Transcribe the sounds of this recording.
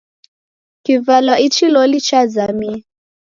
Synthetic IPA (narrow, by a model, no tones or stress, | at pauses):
kivalwait͡ʃilɔlit͡ʃazami